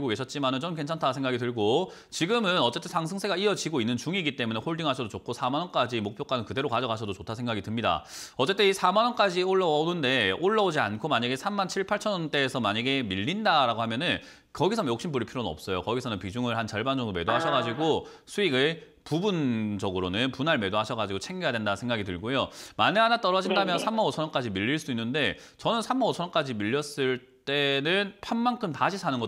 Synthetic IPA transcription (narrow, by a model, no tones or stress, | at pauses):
ɭɡoke̞ɕʰʌt̚t͡ɕ͈imanɯnt͡ɕʌmk̬e̞nt͡ɕʰantʰasʰe̞ŋɡaɡitɯɭɡo | t͡ɕiɡɯmɯnʌt͡ɕ͈e̞t͈ʰesʰaŋsʰɯŋsʰe̞ɡaiʌd͡ʑiɡoinːɯnt͡ɕuŋiɡit͈e̞mune̞hoɭdiŋɦaɕʰʌdot͡ɕok̚ʰosʰamanʌnk͈ad͡ʑimok̚pʰjok͈anɯnkɯde̞ɾokad͡ʑʌɡaɕʰʌdot͡ɕotʰasʰeŋɡaɡitɯmɲida̰ʌt͡ɕ͈e̞t͈ʰeisʰamanʌnk͈ad͡ʑioɭːʌʌonɯnde̞oɭːʌod͡ʑiankʰomaɲaɡe̞sʰamːant͡ɕʰiɭpʰaɭt͡ɕʰʌnʌnt͈e̞ːsʰʌmaɲaɡe̞miʎːindaɾaɡohamjʌnɯn | kʌɡisʰʌmjokɕ͈ʰimbuɾipʰiɾonɯnʌp̚s͈ʌjokʌɡisʰʌnɯnpid͡ʑuŋɯɭɦant͡ɕʌɭband͡ʑʌŋdome̞doɦaɕʰʌɡad͡ʑiɡosʰuiɡɯ | pubund͡ʑʌɡɯɾonɯnpunaɭme̞doɦaɕʰʌɡad͡ʑiɡot͡ɕʰeŋɡejadwe̞ndansʰeŋɡaɡitɯɭɡojomanɯanat͈ʌɾʌd͡ʑindamjʌnsʰamːanot͡ɕʰʌʌnk͈ad͡ʑimiʎːiɭs͈uinːɯnde̞ | t͡ɕʌnɯnsʰamːanot͡ɕʰʌnʌnk͈ad͡ʑimiʎːjʌs͈ɯɭ | t͈e̞nɯnpʰanmankʰɯmtaɕʰisʰanɯnɡʌ